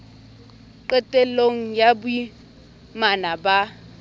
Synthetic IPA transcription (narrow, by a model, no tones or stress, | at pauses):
ǃɛtʼɛloŋ̩jabʊi | manaba